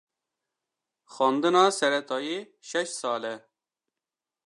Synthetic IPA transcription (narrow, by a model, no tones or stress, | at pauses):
xɑːnd̪ɨnɑːsɛɾɛt̪ʰɑjiː | ʃɛʃsɑːlɛ